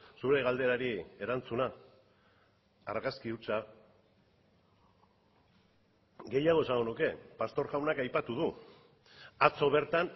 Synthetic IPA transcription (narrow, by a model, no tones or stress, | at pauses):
suɾe̞ɣ̞ald̪e̞ɾaɾie̞ɾant͡suna | ɾɣaskiut͡sa | ɡe̞jaɣ̞oesaŋɡo̞nuke̞past̪o̞ɾɣawnakajpat̪uð̞u | at͡so̞β̞e̞ɾt̪an